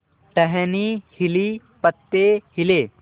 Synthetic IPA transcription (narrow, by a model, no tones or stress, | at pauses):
ʈɐɦɛnihili | pɐt̪ːehileː